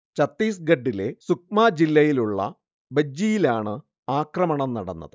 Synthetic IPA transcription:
t͡ɕɐt̪ːiːsɡɐɖːile̞suk̚maːd͡ʑilːɐjiluɭːɐ̰ | bɐd͡ʑːijilaːɳɨ | aːkrɐmɐɳɐmnɐɽɐnːɐ̰ðɨ

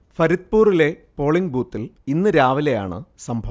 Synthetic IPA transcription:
fɐɾit̪̚puːrile̞ | po̞ːɭiŋɡbuːt̪ːilinːɨɾaːʋile̞ja̰ːɳɨ̰sɐmbʱɐʋ

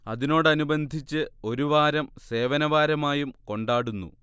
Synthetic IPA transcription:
ɐðino̞ːɽɨɐnubɐnd̪ʱit͡ɕːɨo̞ɾuʋaːɾɐmse̞ːʋɐnɐʋaːɾɐmaːjumko̞ɳɖaːɽunːṵ

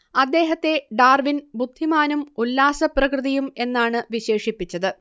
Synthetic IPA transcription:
ɐd̪ːe̞ːɦɐt̪ːe̞ɖaːrʋinbud̪ʱːimaːnumulːaːsɐprɐkrɨðijume̞nːaːɳɨʋiɕe̞ːʂipːit͡ɕːɐðɨ

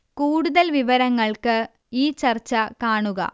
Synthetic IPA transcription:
kuːɽuðɐlʋiʋɐɾɐŋːɐɭkɨ | iːt͡ɕɐrt͡ɕːɐkaːɳuɣɐ̰

